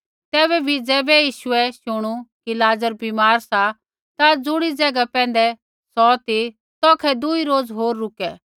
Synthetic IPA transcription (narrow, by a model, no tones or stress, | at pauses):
t̪ɛːβɛbʱid͡zɛːbɛjiːʃʊɛʃʊɽ̃ukilaːzəɾbimaːɾsa | t̪ad͡zʊɽ̃id͡zɛɡapɛ̃ːnd̪ɛ | sɔt̪i | t̪ɔːkʰɛd̪ʊiɾoːd͡zɦoːɾːʊkɛː